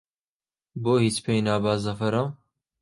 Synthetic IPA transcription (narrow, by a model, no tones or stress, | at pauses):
boːhiːt͡spʰeːjnaːbaːzɐfɐɾa